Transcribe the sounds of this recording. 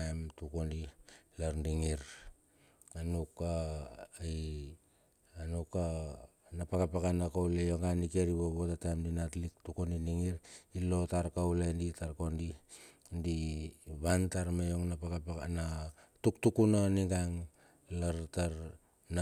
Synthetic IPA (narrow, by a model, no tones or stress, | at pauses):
ajmtukondilaɾndiŋiɾ | anuka | j | anuka | napakapakanakawlejo̞ŋɡanike̞ɾiβoβotatajmdinatlik̚tukondiniŋiɾilo̞taɾkawlenditaɾko̞ndi | ndiβantaɾmejo̞ŋnapakapana | tuktukunaniɡaŋ | laɾtaɾ | na